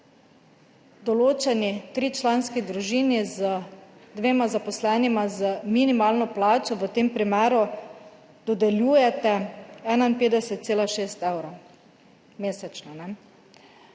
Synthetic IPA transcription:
d̪ɔloːt͡ʃɛnit̪ɾiːt͡ʃlanskid̪ɾuʒiːnizəd̪ʋeːmazapɔslɛnimazəminimaːlnɔplaːt͡ʃɔʋət̪eːmpɾimɛːɾu | d̪ɔd̪ɛljuːjɛt̪ɛɛnainpeːd̪ɛsɛt̪̚t̪seːlaʃeːst̪ɛwɾo | meːsɛt͡ʃnanɛ

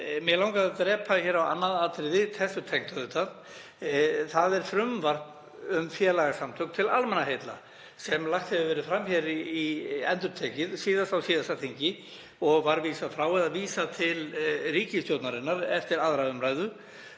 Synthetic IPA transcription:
mjɛlawŋkaðt̪ɾɛːpʰaçɛːɾawa̰nːaðat̪ɾɪðɪt̪θɛsːʏt̪ʰɛŋt̪aðʏt̪að | θaðɛɾ̥fɾʏmvar̥p | ʏmfjɛːlaɣasamt̪ʰœk̪t̪ʰɪlalmɛnaɦejt̪la | sɛmlaxt̪hɛvɪvɛːɾʏfɾamːçɛɾiɛ̰nt̪ʏɾt̪ʰɛːcɪðsiːðasawsiːðasatθiɲcɪ | ɔɣvaɾviːsafɾaːwɛðaðviːsat̪ʰɪlriːcɪst̪jowt̪naɾɪnːaɾɛft̪ɪɾaðɾaʏmɾaːjðʏ

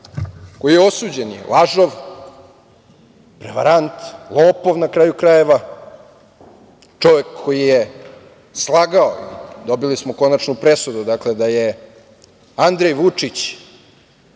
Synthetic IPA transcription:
kojijeo̞suːd͡ʑenjḛlaʒoʋ | pɾeʋa̰ɾant̪lˠoːpo̞ʋnakɾaːjukɾaje̞ʋa | t͡ʂo̞ʋekʰːojije | slˠaɡaoḭd̪o̞bilismoko̞nanupɾesud̪ud̪akled̪aje | and̪ɾejʋut͡ʂit͡ɕ

